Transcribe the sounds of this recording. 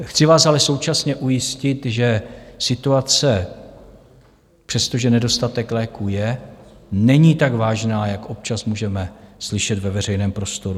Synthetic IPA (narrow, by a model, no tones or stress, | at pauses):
xt͡sɪvaːsalɛso̞wt͡ʃasɲɛʔujɪscɪt̪ʒɛsɪt̪uat͡sɛ | pr̝̥ɛst̪o̞ʒɛnɛdo̞st̪at̪ɛklɛːkujɛ | nɛɲiːt̪aɡvaːʒnaːjakʔo̞p̚t͡ʃasmuːʒɛmɛslɪʃɛt̪vɛvɛr̝ɛjnɛːmpɾo̞st̪o̞ɾu